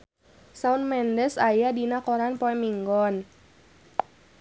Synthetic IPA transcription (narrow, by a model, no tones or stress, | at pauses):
saunmɛndɛsajadinakɔɾanpɔɛmiŋɡɔn